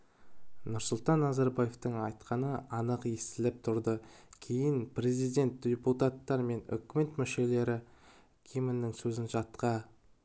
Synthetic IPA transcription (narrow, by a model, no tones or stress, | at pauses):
nʊɾsʊlˠt̪ɑnːɑzɑɾbaje̞ft̪əɴɑjt̪qʰɑnəɑnəqest̪ɪlɪp̚t̪ʰʊɾd̪ə | kʲʰe̞jɪnpre̞zijd̪ʲe̞nt̪̚d̪ʲeput̪at̪ːɑɾme̞nʏ̰kʲme̞t̪mʏʃe̞le̞ɾɪ | kʲʰemɪnːɪŋsɵzɪnʒɑt̪qɑ